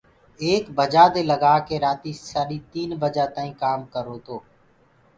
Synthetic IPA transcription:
eːkbəd͡ʒaːd̪eːləɡaːkeːɾaːt̪iːsaːɾiːt̪iːnbəd͡ʒaːt̪ãːĩːkaːmkəɾoːt̪oː

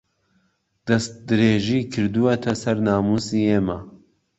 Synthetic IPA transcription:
d̪̥ɐst̪̚d̪ɨɾeːʒiːkʰɨɾd̪uwɐt̪ʰɐsɐɾnaːmuːsiːeːmaː

